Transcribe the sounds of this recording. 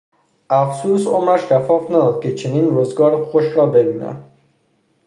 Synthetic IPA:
afsusomɾaʃʃafɒfnad̪ɔd̪̚kɪt͡ʃʰeninɾuzɡɔɾxoʃɾɔbebina̰

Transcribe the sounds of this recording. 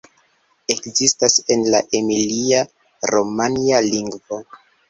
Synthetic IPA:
e̞kzistase̞nla̰ʔemilia | ɾo̞manialiŋɡvo̞

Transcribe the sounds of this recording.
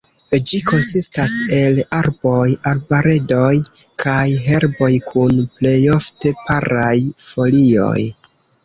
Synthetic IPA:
d͡ʒiko̞nsistase̞laɾbo̞jaɾbaɾe̞do̞jkʰajɦe̞ɾbo̞jkʰunple̞jo̞fte̞paɾajfo̞lio̞̰j

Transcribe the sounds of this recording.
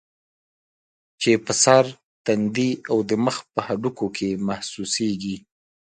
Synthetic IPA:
t͡ʃepəsaɾ | t̪and̪iawd̪əməxpəhaɖukokʰemahsuseɡi

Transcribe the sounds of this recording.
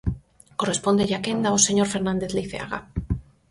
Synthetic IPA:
ko̞respo̞nd̪e̞ʝake̞nd̪aose̞ɲo̞ɾfe̞ɾnãnd̪e̞θliθea̰ɣa̰

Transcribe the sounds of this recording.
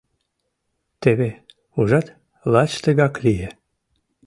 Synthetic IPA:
t̪eβe | uʒɑt̪ | lɑt͡ɕt̪əɣɑklʲije

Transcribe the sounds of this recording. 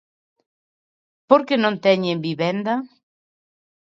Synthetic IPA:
poɾkenõnt̪ɛɲẽmbiβɛnd̪ɐ

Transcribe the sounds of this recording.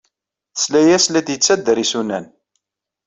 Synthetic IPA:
θəslæjæslæd̪jət͡sːæd̪ːəɾisunæn

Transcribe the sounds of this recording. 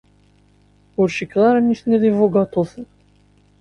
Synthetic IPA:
ʊɾʃikðˤɑɾanisniðˤivoɡɑt̪ˤoθən

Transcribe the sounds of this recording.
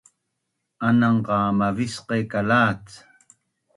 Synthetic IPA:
anaɴɢɑːmavɪsqekalaːt͡s

